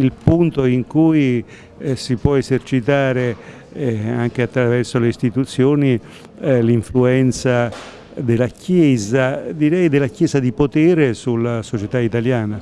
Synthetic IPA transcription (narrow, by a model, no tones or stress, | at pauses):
ilpunt̪oiŋkuj | sipwɔezert͡ʃit̪aːɾe | aŋk̟eat̪ːɾavɛrsoleist̪it̪ut̪sːjoːni | liɱfluɛnt̪sa | d̪elakʰjɛːzad̪iɾɛjd̪elːakjɛːzad̪ipot̪ɛːɾesulːasot͡ʃet̪ait̪aljaːna